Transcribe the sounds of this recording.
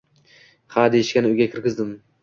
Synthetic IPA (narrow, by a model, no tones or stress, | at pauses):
had̪eɪʃkʲanɪʊjɡʲakʲʰɪɾkʲɪzd̪ɪm